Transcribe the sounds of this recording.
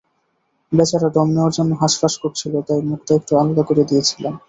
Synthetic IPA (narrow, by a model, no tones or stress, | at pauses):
bet͡ɕʰaɾaɖɔmneoɾd͡ʑɔnːoɦaʃpaʃkoɾt͡ɕʰilot̪ajmukʈ̪eek̚ʈualod̪akoɾed̪ijet͡ɕʰilen